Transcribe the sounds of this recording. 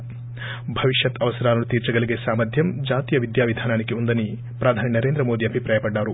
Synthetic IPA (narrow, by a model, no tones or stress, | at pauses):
bʱɐʋiʃjɐt̪ʰɐʋɐsɐɾaːnɐlut̪iːɾt͡ʃɐɡɐɭiɡesaːmɐɾd̪ʱjɐmd͡ʒaːt̪ijɐʋid̪jaːʋid̪ʱaːnaːnikːeund̪ɐni | pɾɐd̪ʱaːninɐɾeːnd̪ɾɐmoːd̪iɐbʱipɾaːjɐpɐɖːaːɾu